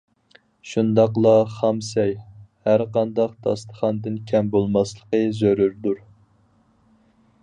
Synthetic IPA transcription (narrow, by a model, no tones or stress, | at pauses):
ʃund̪ɑqlˠɑχɑmsɛjhæɾqɑnd̪ɑqd̪ʰɑ̰st̪ə̥χɑnd̪ɨnkʲʰɛmbolˠmɑslˠəqəzøɾyɾd̪uɾ